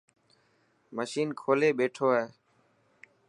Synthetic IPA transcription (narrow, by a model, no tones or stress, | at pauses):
məʃiːnkʰoːleːɓeːʈʰoːɦɛː